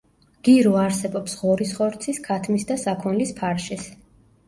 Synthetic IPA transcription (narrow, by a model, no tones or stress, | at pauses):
ɡ̥iɾɔaɾsɛbɔpsʁɔɾisχɔɾt̪sʰiskʰat̪ʰmisd̪asakʰɔnlispʰaɾʃɛs